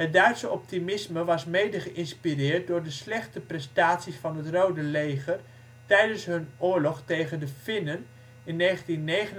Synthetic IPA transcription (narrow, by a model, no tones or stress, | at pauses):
ɦət̚dœɥtsəɔp̚timɪsməʋɑsmejdəχəʔɪnspirɪːrt̚dʊːɹdəslɛχtəprɛstaːtsisfɑnɦətrowdəlejχər | tɛjdənsɦɵnʊːɹlɔχtejχəndəfɪnən | ɪnːeːχəntinːejχən